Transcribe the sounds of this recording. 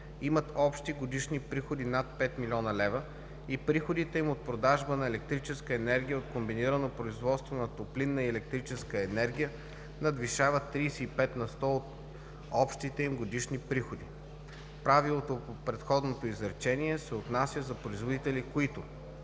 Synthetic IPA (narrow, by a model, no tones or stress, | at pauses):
imɐt̪ɔpʃt̪iɡod̪iʃnipɾixod̪inat̪̚pɛt̪milʲɔnɐlɛvə | ipɾixod̪it̪ɛimot̪̚pɾod̪aʒbənɐɛlɛk̚t̪ɾit͡ʃɛskəɛnɛɾɡʲijəot̪kombiniɾənopɾoizvɔt̪st̪vonɐt̪oplinːəiɛlɛk̚t̪ɾit͡ʃɛskəɛnɛɾɡʲijə | nɐd̪viʃavət̪ːɾiːsɛipɛt̪nɐst̪ɔot̪ | ɔpʃt̪it̪ɛimɡod̪iʃnipɾixod̪i | pɾavilˠot̪opopɾɛt̪xɔd̪not̪oizɾt͡ʃɛniɛsɛot̪nasʲjəzɐpɾoizvod̪it̪ɛlikoit̪ʊ